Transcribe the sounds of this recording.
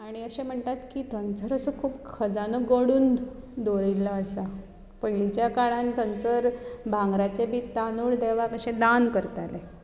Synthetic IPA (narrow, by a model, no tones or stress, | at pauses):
aɽ̃iəɕẽm̤əɳt̪at̪kit̪ənt͡səɾəsəkʰuːpkʰəd͡zanəɡəɽuːn | d̪oɾilːaːsa | pəilit͡ɕjakaɭant̪ənt͡səɾbʱãŋɡɾat͡sebiːt̪anuːɭd̪eʋakəɕẽd̪ankəɾt̪ale